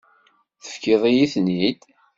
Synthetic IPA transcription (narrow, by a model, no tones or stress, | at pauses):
θə̥fkiðˤijiθnid̪